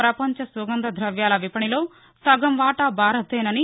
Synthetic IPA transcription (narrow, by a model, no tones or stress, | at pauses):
ɾɐpɐɲt͡ʃɐsuɡɐnd̪ɐd̪ʱɾɐʋjaːlɐʋipɐɳiloː | sɐɡɐmʋaːʈɐbʱaːɾɐt̪eːnɐni